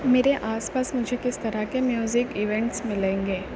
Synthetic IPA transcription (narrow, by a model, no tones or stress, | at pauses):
meːɾeʔaːspaːsmʊd͡ʒʱekɪst̪ɐɾakemjuːzɪkɪʋẽɳʈsmɪlẽːŋɡeː